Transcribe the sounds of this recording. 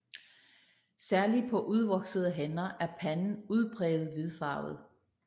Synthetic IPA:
sæɐli̥pʰɒ̽ʔuð̞ˠʋɒ̽ɡ̥səð̞̩ˠəɦenɐʔæɐpʰænn̩uð̞ˠb̥ʰʁɛːð̩ˠʋeðˠfɑ̈ːʊð̞̩ˠ

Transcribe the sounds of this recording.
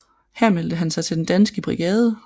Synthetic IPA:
hæɐ̰meld̥əɦænsɑ̈ɪt͡sʰe̝d̥end̥ænsɡ̥əb̥ʁiɡ̥ɛːð̞ˠə

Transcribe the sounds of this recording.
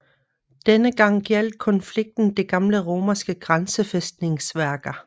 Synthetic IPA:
d̥enəɡ̥ɑ̈ŋ̰ɡ̥jel̰d̥̚kʰɒ̽nfliɡ̥̚d̥n̩d̥e̝ɡ̥ɑ̈mləʁo̝ːmɐsɡ̥əɡ̥ʁansəfesd̥ne̝ŋsʋæɐɡ̥ɐ

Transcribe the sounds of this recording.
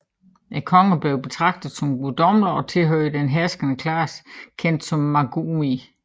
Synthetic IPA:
ekʰɒ̽ŋəb̥leʊb̥e̝t͡sʰʁɑ̈ɡ̥̚d̥ð̩ˠsɒ̽mɡ̥ud̥ɒ̽mlɐɒ̽t͡sʰe̝lɦøːɪd̥enɦæɐsɡ̥ənəkʰlɑːskʰen̰d̥sɒ̽mːɑɡ̥umi

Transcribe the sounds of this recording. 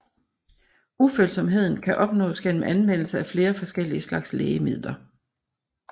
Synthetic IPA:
ufølsɒ̽mɦe̝ð̞̰ˠn̩kʰæʔɒ̽b̥nɔ̰̽ːsɡ̥en̰əm̩ʔænʋen̰l̩səæfle̝ːɐfɒ̽sɡ̥el̰iəslɑ̈ɡ̥sleːəmið̞̰ˠlɐ

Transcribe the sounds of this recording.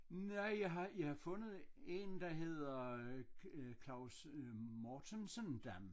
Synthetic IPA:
næjɑɦɑjɑɪhɑ̈fɔ̽nð̩ˠe̝nd̥ɑ̈ɦe̝ð̞̰ˠɐ | kʰlɑ̈ʊs | mɒt͡sʰensənd̥æm

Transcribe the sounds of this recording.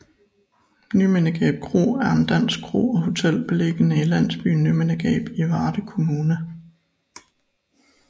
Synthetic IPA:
nymenəɡ̥ɛ̰ːb̥̚kʰʁo̝̰ːæɐend̥æn̰sɡ̥ʰʁo̝̰ːɒ̽ho̝t͡sʰel̰b̥ele̝ɡ̥ənəilæn̰sb̥y̰nymenəɡ̥ɛ̰ːb̥iʋɑ̈ːd̥əkʰo̝muːnə

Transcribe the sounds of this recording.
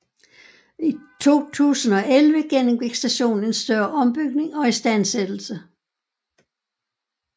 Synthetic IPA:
it͡sʰo̝̰ːt͡sʰṵːsn̩ɒ̽ʔelʋəɡ̥en̰m̩ɡ̥eɡ̥sd̥æɕo̝̰ːn̩e̝nsd̥ɶɐʔɒ̽mb̥yɡ̥̚ne̝ŋɒ̽isd̥æn̰sed̥l̩sə

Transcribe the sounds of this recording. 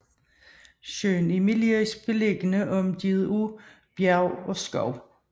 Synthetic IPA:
ɕøːnimiliisb̥e̝leɡ̥ənəʔɒ̽md̥ið̩ˠu | b̥jæʊɒ̽sɡ̥ɒʊ

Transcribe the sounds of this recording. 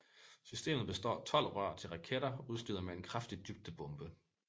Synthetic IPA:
sysd̥e̝̰ːmð̩ˠb̥e̝sd̥ɒ̰ːt͡sʰɒ̽l̰ʁɶɐ̰t͡sʰe̝lʁɑ̈kʰeɾɐuð̞ˠsl̥y̰ːðˠɐmee̝nkʰʁafd̥id̥yb̥̚d̥əb̥ɔ̽mb̥ə

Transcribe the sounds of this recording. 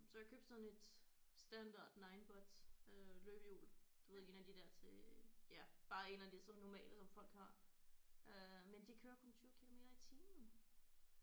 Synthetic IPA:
sɒ̽jäkʰø̰b̥seðˠn̩ed̥sd̥ænd̥ɑ̰̈ːd̥nɑ̈ɪnb̥ɒd̥øløːb̥əjṵːld̥uʋeðˠe̝ːnæd̥id̥æɐ̰t͡sʰe̝jæb̥ɑ̈ːe̝̰ːnæd̥e̝sɒ̽nːɒmɛ̰ːləsɒ̽mfɒ̽l̰ɡ̥hɑ̈ | ʔømend̥ikʰøːɐkʰo̽nt͡sʰyːʊkʰilo̝me̝̰ːɾ̥ɐit͡sʰiːmn̩

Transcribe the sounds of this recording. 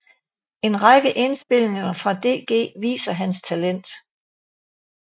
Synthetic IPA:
e̝nʁɑɡ̥əʔe̝nsb̥e̝l̰eŋɐfʁɑ̈d̥e̝̰ːɡ̥e̝̰ːʋḭːsɐɦænst͡sʰælen̰d̥

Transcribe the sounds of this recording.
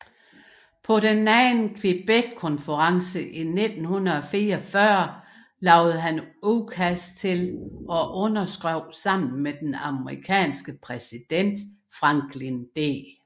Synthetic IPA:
pʰɒ̽ɾenːɛnkʰʋib̥ed̥̚kʰɔ̽nfəʁɑ̈ŋsəʔine̝d̥n̩hunɐɒ̽fiːɐfɶɐ̰ | lɑ̈ʊð̩ˠɦænukʰæst͡sʰe̝lɒ̽ʔɔ̽nɐsɡ̥ʁɔʊ̰sɑ̈m̰n̩med̥enɑ̈məʁikʰɛ̰ːnsɡ̥əpʰʁɛsid̥en̰d̥fʁɑ̈ŋɡ̥lind̥ḛ

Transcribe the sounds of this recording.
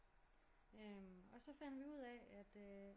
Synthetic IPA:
ømɒ̽sɒ̽fæn̰d̥ʋiuð̰ˠɛæd̥ø

